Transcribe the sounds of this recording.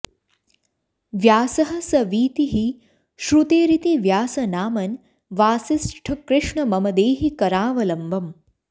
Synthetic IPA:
ʋjaːsɐɦɐ̆sɐʋiːt̪iɦi | ʃɾut̪eːɾit̪iʋjaːsɐnaːmɐn | ʋaːsisʈʰɐkɾɪʂɳɐmɐmɐd̪eːɦikɐɾaːʋɐlɐmbʱɐm

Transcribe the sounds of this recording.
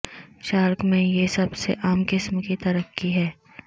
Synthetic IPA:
ʃaːɾkmẽjesɐbsḛʔaːmkɪsmkit̪ɐɾəkːiɦɛː

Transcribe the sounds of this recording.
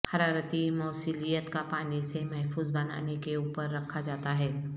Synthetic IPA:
hɐɾaːɾət̪imɔːsiːlijət̪kapaːnisemɛɦfuːzbɐna̰ːnekeuːpəɾːɐkʰːad͡ʒaːt̪aɦɛː

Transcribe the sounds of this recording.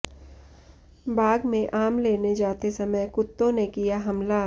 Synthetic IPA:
baːɡmẽʔaːmleːned͡ʒaːt̪esɐməjkʊt̪ːõnekijaɦɐmla

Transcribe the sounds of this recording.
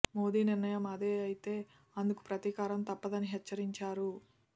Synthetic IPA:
mo̞ːd̪iːniɾnɐjɐmɐd̪e̞ːɐjit̪e̞ː | ɐnd̪uku̥pɾɐt̪iːkaːɾɐmt̪ɐpːɐd̪ɐniɦɛt͡ʃːɐɾiɲt͡ʃaːɾu

